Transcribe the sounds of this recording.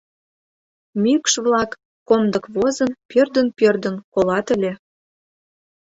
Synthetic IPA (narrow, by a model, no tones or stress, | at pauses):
mykʃβlɑkː | omd̪ɤ̆kβozənpørd̪ə̆npʲørd̪ə̆nkolɑt̪ə̆lʲe